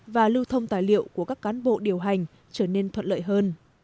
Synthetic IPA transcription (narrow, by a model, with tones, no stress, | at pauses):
vaː˨˩lɨ˧wt̪ʰə˧wŋ͡mt̪aː˨˩jlḭ˧˨əwku˧˩əkaː˦˥kːaː˨˦nɓo̰˧˨ɗi˨˩əwɦa˨˩jŋ̟ | t͡ɕəː˧˩ne˧nt̪ʰwə̰˧˨n̚tlə̰ː˧˨jɦəː˧n